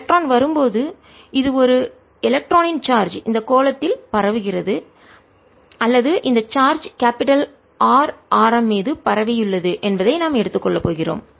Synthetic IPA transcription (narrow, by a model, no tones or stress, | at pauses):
k̚ʈroːnʋɐɾɯmpoːðɯ | ɪðɯɔɾɯ | ɪlɐk̚ʈɾoːnɪnt͡ʃaːɾd͡ʒɪnd̪ɐkːoːlɐt̪ːɪlpɐɾɐʋɯɣɪrɐðɯ | ɐlːɐðɯʔɪnd̪ɐt͡ʃaːɾd͡ʒkaːpɪʈɐl | aːɾaːɾɐmːeːðɯpɐɾɐʋɪjɯɭːɐðɯʔɛnbɐðɐɪnaːmɛɽɯt̪ːɯkːɔɭːɐpːoːɣɪro̰ːm